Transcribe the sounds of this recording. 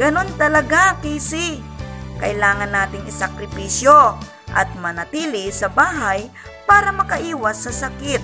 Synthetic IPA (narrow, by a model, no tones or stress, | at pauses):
ɡ̥ɐno̞nt̪ɐlɐɡakiːsi | kɐ̰ʔɪlaːŋɐnːaːt̪ɪŋɪsɐkɾɪpiːsjo | ʔɐ̰t̪̚mɐnɐt̪iːlɪsɐbaːɦɐj | paːɾɐmɐkɐʔiːwɐsːɐsɐkɪt̪̚